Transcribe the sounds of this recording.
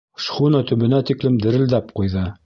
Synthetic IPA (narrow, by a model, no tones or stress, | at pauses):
ʃχunɑt̪ɵ̆βɘ̆næt̪iklɘmd̪ɘ̆ɾɘ̆ld̪æp̚qujðɤ